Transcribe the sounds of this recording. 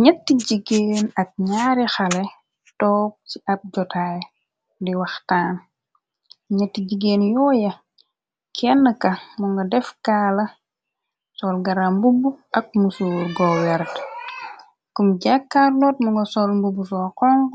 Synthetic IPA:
ɲɐtːiɟiɡeːnɐk̚ɲaːɾixɐlɛ | tɔːp̚ciɐp̚ɟɔtaj | diwɐxtaːn | ɲɛtːiɟiɡeːnjɔːjɐ | kʰɛnːəkɐmuŋɡɐdɛfkaːlɐ | sɔːlɡɐɾambubuɐk̚musuːɾɡɔwɛɾt | kumɟakːaːrlɔːt̚mɔŋɡɐsɔlmbubusɔːqɔŋɡ

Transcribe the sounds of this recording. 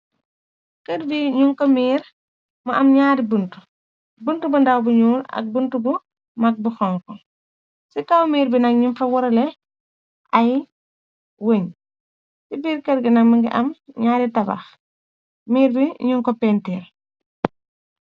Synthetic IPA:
kɛɾbiɲuŋkɔmiːɾ | mɐʔɐmɲaːdibuntu̥ | buntubundawbuɲuːɾɐ̰k̚buntubu | mɐk̚buxɔŋkɔ | sikawmiːɾbinɐk̚ɲunfɐwɔɾɐlɛ | ʔɐj | woɲ | sibiːɾkɛɾɡinɐmɐŋɡiʔɐ̰mɲaːɾitɐba̰x | miːɾbiɲuŋkɔpɛntiːɾ

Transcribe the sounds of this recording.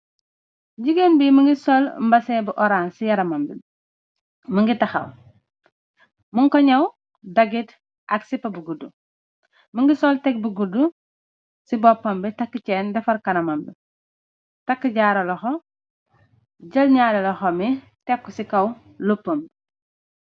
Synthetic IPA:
ɟiɡenbimɐŋɡisɔlmbɐsɛːbuʔɔɾaːnsijɐɾɐmɐmbḭ | mɐŋɡitɐxɐ̰w | muŋkɔɲɐw | dɐɡit | ʔɐksipɐbuɡudu | məŋɡisɔltɛk̚buɡudːu | sibɔpːɐmbitɐkːət͡ʃɛːndɛfɐɾkɐnɐmɐmbḭ | tɐkːəɟaːɾɐlɐxɔ | ɟɐlɲaːɾɐlɐxɔmi | tɛk̚kːusikɐw | lupːɐmb

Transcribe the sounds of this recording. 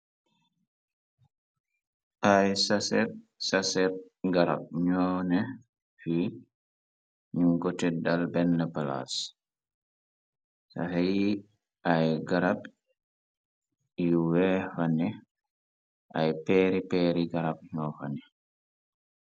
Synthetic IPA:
ʔajsasɛɾsasɛɾ | ɡaɾa̰b̚ɲɔnɛ | fi | ɲumɡɔtɛdalbɛnːapala̰s | sa̰haji | ʔajɡaɾab | wɛfanɛ | ʔajpɛɾipɛːɾiɡaɾab̚ɲɔfanɛ

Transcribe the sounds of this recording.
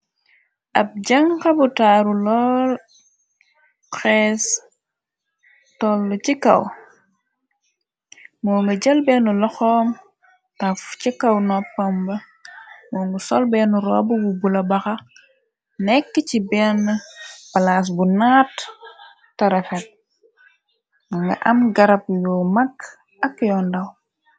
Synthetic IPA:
ʔɐp̚ɟɐŋkɐbutaːɾulɔːl | xɛːs | tɔlːucikɐ̰w | mɔːŋɡɐɟɐlbɛːnulɔxɔːm | tɐfcikɐwnɔpːɐmbɐ | mɔːŋɡusɔlbɛːnuɾɔːbububulɐbɐxɐ | nɛkːəcibɛːnːəbɐlaːs̬bunaːtː | ɐɾɛfɛt̚ | ŋɐŋɡɐ̰ʔɐmɡɐɾɐpjɔːmɐkː | ɐkjɔndɐw

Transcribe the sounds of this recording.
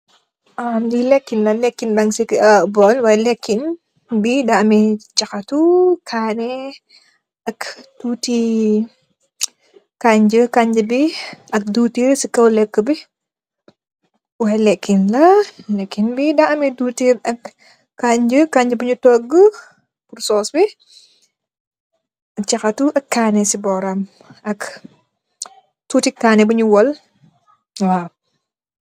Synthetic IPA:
ʔamdilɛkːinlɐlɛkːinbɐŋsikɐbɔlwajlɛkːin | bidɐɐmɛt͡ʃɐkɐtukʰaːnɛ | ʔɐktuːti | kaɲd͡ʒəkaɲd͡ʒəbiʔɐk̚dutiɾsikɐwlɛkːəbi | wɐɛlɛkːinlɐlɛkːinbidɐɐmiduːtiːɾɐk | kːaɲd͡ʒəkaɲd͡ʒəbɐɲutɔɡːə | pursɔːsbi | ɐt͡ʃɐxɐtuʔɐkːaːnɛsibɔːɾɐm | ɐk | tuːtikːaːnɛbɐɲuwɔl | waː

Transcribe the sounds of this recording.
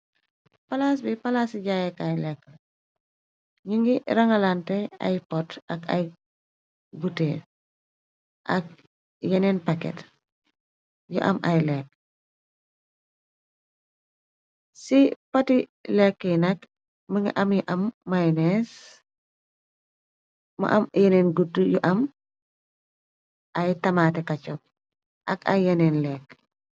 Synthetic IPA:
pɐlas̬bipɐlaːsiɟajɛkajlɛkːəl | ɲiŋɡiɾɐŋɐlantɛa̰jpɔtɐkaj | bute | ʔɐ̰k̚ | jɛnɛnpakɛ̰t | jɔ̰ʔɐ̰mɐ̰jlɛk̚ː | sipɐtilɛkːənɐk | məŋɐ̰ʔɐmjiʔɐmːajnɛs | mɐ̰ʔɐmjeneːnɡutːujuʔɐm | ʔɐjtɐmatɛkɐt͡ʃɔk̚ | ʔɐ̰kɐ̰jjɐnenlɛːk

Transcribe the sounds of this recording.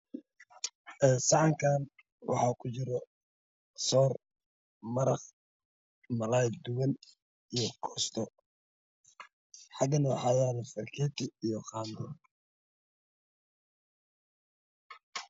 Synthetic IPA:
ʔɛsɑʕɑŋkʰaːn | wʔɑ̰ħɑːkʰʊt͡ʃɪɾɔ | sɔːr | mɐɾɑq | mɐlajd̪ʊwɐn | ijɔkʰɔːst̪ʰɔ | ħɑɡɐnɐwħɑjaːlɐfɐrkʰɛːt̪ʰɪijɔqɑːnd̪ɔ

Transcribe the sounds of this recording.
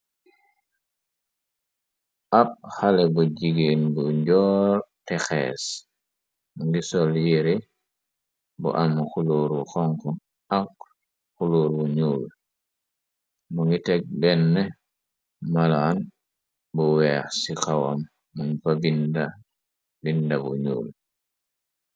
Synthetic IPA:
ʔap̚halɛbuɟiɡenbuɲɟɔːɾtɛxɛ̰ːs | muŋɡisɔljiɾi | bṵʔamxuluːɾwuxɔŋkɔ | ak | xuluːɾbuɲuːl | muŋɡitɛɡ̚bɛnːɛ | malaːn | buwɛːxsikawa̰mː | uŋfabinda | bindabṵɲṵːl

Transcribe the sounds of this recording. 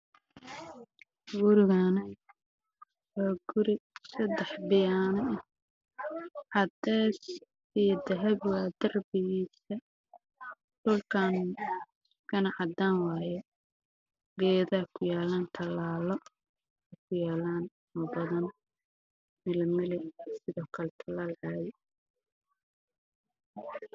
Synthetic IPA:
ɡʊɾɪɣanɛj | wɔːɡʊɾɪsɐd̪ɛħbɪjaːnɐʔ | ʕɑd̪ɛːs | ijɔd̪ɐɦɛbwɑːd̪ɐrbɪɣiːsɐ | d̪̥ʊlkʰaːn | skʰɐnɐʕɑd̪aːnwɑːjɛ | ɡɛːðaːkʰʊjaːlaːnt̪ʰɐlaːlɔ | ɛjkʰʊjaːlaːn | ɔːbɐðɐn | mɪlɪmɪlɪsɪðɔːkʰɐlɛt̪ʰɐlaːlʕaːjɛ

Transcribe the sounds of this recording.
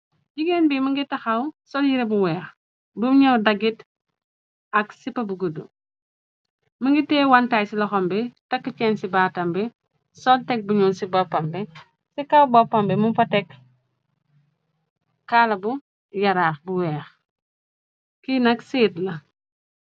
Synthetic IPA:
ɟiɡenbimɐŋɡitɐxɐwsɔljiɾebuwɛːx | bumɲowdɐɡit | ɐksipɐbuɡudṵ | mɐŋɡitɛwantaːjsilɔxɔmbɛtɐkːət͡ʃɛnsibaːtɐmbɛ | sɔltɛk̚buɲuːnsibɔpːɐmbɛ | sikawbɔpːɐmbɛmumfɐtɛk | kalɐbu | jɐɾaxbuwɛːx | kinɐksiːtlɐ

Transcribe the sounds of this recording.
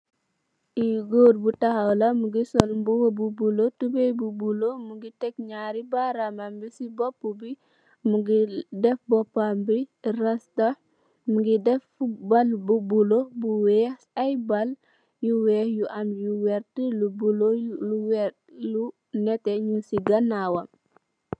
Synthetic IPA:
ʔiɡoːdbutɐhɐwlɐmuɡisɔlmbuwobubulotubejbubulomuɡitɛk̚ɲaːɾibaɾamambisibɔpːubi | muɡidɛfbɔpːambirɐstɐ | muɡidɛfbalbubulobuwɛ | ajbɐl | juwɛhjuʔɐmjuwɛɾtəlubuloluwɛ | lu | nɛtɛɲusiɡɐnːawɐm

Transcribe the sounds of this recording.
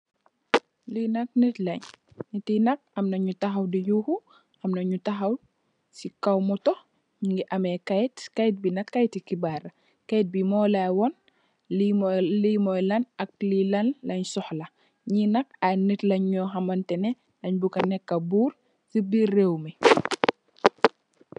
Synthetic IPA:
linɐk̚nitlɐɲː | itinɐk̚ɐmnɐɲutɐxɐwdijuxu | ʔɐmnɐɲutɐxɐw | sikɐwmɔtɔ | ɲuŋɡiʔɐmɛkajtkajt̚binɐkːajtːikibarɐ | kajt̚bimɔːlawɔn | limlimɔjlɐnɐk̚lilɐnlʔɐɲsɔhlɐ | ɲinɐk̚anitlɐɲɲɔːxɐmɐntɛnɛ | ɐɲbukɐnɛkːɐbuːr | sibirɛwmi

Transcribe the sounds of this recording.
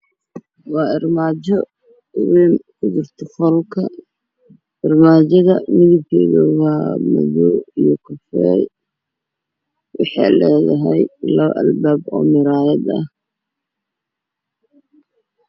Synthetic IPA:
wɑːɪrmaːt͡ʃɔ | wiːmkʰʊd͡ʒɪrt̪ʰɔfɔlkʰɐ | ɪrmaːt͡ʃɐðɐmɪðɪb̚kʰɛ̰ːðɐwɑːmɐ̰ðuijkʰʊfɛ̰ | wɑ̰ħɑ̰lɛːðɐɦɛjlɐβʔɐ̰lbaːbɔ̰ːmɪɾaːjɐd̪ɐ̰h

